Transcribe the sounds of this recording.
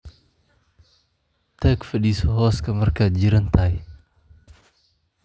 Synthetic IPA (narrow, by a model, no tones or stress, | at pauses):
t̪əkfəɗisɔɦɔskəmərkat̪̚d͡ʒiɾənt̪aj